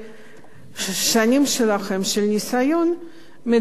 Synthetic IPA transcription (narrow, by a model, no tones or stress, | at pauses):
ʃanʲimʃelaχe̞mʃelnʲisajo̞n | me